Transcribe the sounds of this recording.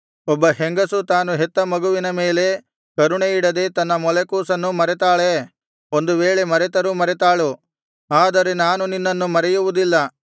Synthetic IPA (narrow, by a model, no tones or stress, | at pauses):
ɔbːɐɦeŋɡɐsut̪aːnuɦɛt̪ːɐmɐɡuʋinɐme̞ːle̞ | kɐɾuɳeiɽɐd̪et̪ɐnːɐmɔlekuːsɐnːumɐɾɛt̪aːɭe | o̞nd̪uʋeːɭemɐɾɛt̪ɐɾumɐɾɛt̪aːɭu | aːd̪ɐɾenaːnuninːɐnːumɐɾɛjuʋud̪ilːɐ